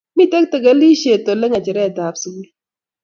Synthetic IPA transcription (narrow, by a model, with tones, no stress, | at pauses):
mi˦˨tɛ˦k̚te˨ɡa˦li˦ʃe˨to˨le˦ŋa˨t͡ʃɛ˨ɾɛ˦˨ta˨psu˨˦ɡi˦